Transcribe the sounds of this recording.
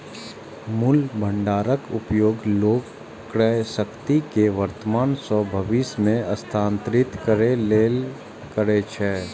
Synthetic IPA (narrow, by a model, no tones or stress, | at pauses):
mʊlbʱə̃ɳɖaːɾəkʊpjoːɡloːɡ | kɾɛsəkt̪ikeʋəɾt̪əmaːnsɔbʱəʋiːsmẽəst̪ʰãːnt̪ɾɪt̪kəɾeleːl | kəɾet͡ʃʰɛː